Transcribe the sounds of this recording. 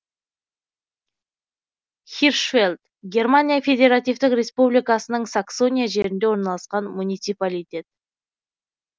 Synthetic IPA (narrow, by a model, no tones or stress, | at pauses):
χʲirʃfelʲd̪ | ɡʲe̞rmanʲijafʲe̞dʲe̞ɾat̪ijvt̪ɪkrʲe̞spublʲijkɑsənəɴsakso̞nʲijaʒe̞ɾɪnd̪ewo̞ɾnɑlˠɑsqɑnmunʲijt̪sipalʲijt̪ʲe̞t̪̚